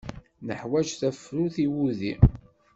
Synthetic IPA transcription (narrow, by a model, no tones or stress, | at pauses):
nəħwæʒθæfɾuθiwuðḭ